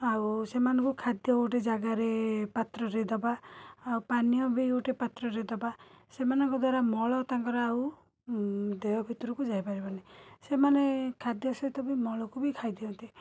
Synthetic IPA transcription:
ausemanɔŋkukʰad̪jɔuʈed͡ʒaɡaɾepat̪ɾɔɾed̪ɔbaːwpanijɔbiuʈepat̪ɾɔɾed̪ɔba | semanɔŋkɔd̪waɾamɔɭɔt̪aŋkɔɾaːu | d̪ejɔbʱit̪ɔɾɔkud͡ʒaɦipaɾibanisemanekʰad̪jɔsɔt̪ɔbimɔɭɔkubikʰajd̪iɔnt̪i

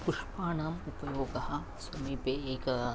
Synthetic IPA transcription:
puʂpaːnaːmupɐjoːɡɐɦa | sɐmipeeːk

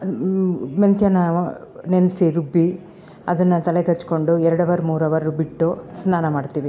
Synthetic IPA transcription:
mɐnt̪jɐnɐnenɐsiɾubːi | ɐd̪ɐnːɐt̪ɐleɡɐt͡ʃːko̞ɳɖuɛɾɐɽɐʋɐɾumuːɾɐʋɐɾubiʈːusnaːnɐmaːɖt̪iːʋi

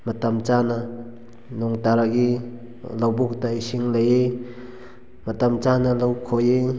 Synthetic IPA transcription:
matamt͡ʃana | nuŋtaɾaɡi | lawbuk̚taisiŋlaje | matamt͡ʃanalawkʰoje

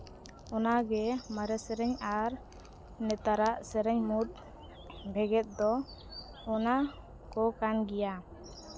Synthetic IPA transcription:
ɔnaɡɛmaɾɛsɛɾɛɲaɾ | nɛt̪aɾaʔsɛɾɛɲmut̪̚ | bʱɛɡɛt̪̚ˀd̪ɔ | ɔna | kɔkanɡija

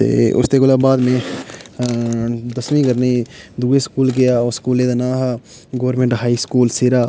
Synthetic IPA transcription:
ḛːʊ̰st̪eɡʊlabaːd̪mẽ | d̪ɐsmĩkɐɾned̪uːeskuːlɡɐjaːskuːleːd̪ɐnaːɦa | ɡoʋəɾmẽɳʈɦaːiskuːlsɪɾaː

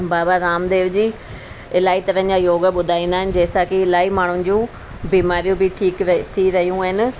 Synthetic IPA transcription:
baːaːɾaːmd̪eːʋd͡ʒiː | ɪlaːiːt̪əɾə̃d͡ʒaːjoːɡaɓʊd̪ʱaːĩːnd̪aːɦɪnd͡ʒeːsaːkɪɪlaːiːmaːɳ̃ʊ̃d͡ʒũː | biːmaːɾijũːbʱiːʈʰiːkt̪ʰiːɾəɦijũːɦɪn

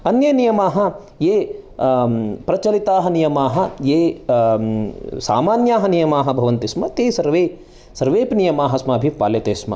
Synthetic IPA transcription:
ɐnjɐnijɐmaːɦɐ̆ | jeː | pɾɐt͡ʃɐlit̪aːɦɐnijɐmaːɦɐ̆jeː | sa̰ːmaːnjaːɦɐnijɐmaːɦɐ̆bʱɐʋɐnt̪ismɐt̪eːsɐɾʋeː | sɐɾʋeːpnijɐmaːɦɐsmɐːɐbʱipaːljɐt̪eːsmɐ̰

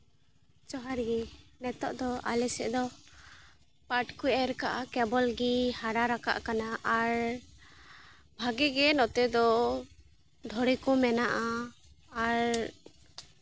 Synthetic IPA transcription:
t͡ʃɔɦaɾɡɛmɛt̪ɔʔd̪ɔa̰lɛsɛ̰ʔd̪ɔ | paʈkujɛɾkaʔakɛbɔlɡihaɾaɾaka̰ʔkanaʔaɾ | bʱaɡiɡɛnɔt̪ɛd̪ɔ | d̪ʱɔɾɛkɔmɛnaʔaː | ɾ

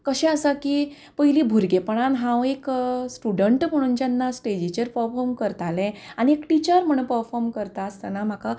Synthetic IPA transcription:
kəɕɛ̃əsakiː | pəɦilibʱuɾɡepəɳ̃anɦãweksʈuɖəɳʈm̤əɽ̃ũnt͡ɕjanːasʈed͡ʑit͡ɕeɾpəɾfɔɾmkəɾt̪alɛ̃añiekʈit͡ɕəɾm̤əɽ̃ũpəɾfɔɾmkəɾt̪ast̪anam̤aka

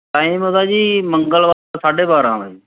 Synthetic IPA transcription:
ʈaːiːmot̪ãːd͡ʒiːməŋɡəlʋaːsaːɖeːbaːɾãːni

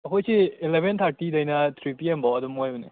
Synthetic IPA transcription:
ɐkʰojseːlebʱent̪ʰaɾtidɐjnɐt̪ʰɾipiembawɐdumojbɐne

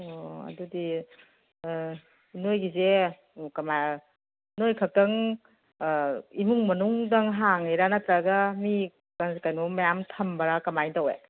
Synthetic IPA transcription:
oɐ̰dudi | nojɡize | kɐma | nojkʰak̚tɐŋ | imuŋmɐnuŋdɐŋɦaŋejɾanatɾaɡami | kaŋskajnomɐjamtʰɐmbɐɾakɐmajdawḛ

